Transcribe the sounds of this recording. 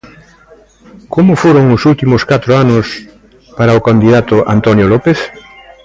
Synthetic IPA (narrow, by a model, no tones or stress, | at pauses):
komʊfoɾʊŋʊsult̪imʊskat̪ɾoanʊs | paɾaokand̪iðat̪ʊʔa̰nt̪ɔnjolɔpeθ